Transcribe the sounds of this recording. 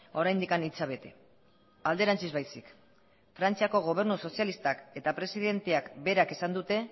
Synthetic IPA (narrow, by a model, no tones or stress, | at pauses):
o̞ɾajnd̪ikanit͡saβ̞e̞t̪e̞̰ | ald̪e̞ɾant͡sizβajsik | fɾant͡siako̞ɣ̞o̞β̞e̞ɾnuso̞sialist̪ake̞t̪apɾe̞siðe̞nt̪e̞akbe̞ɾake̞sand̪ut̪e̞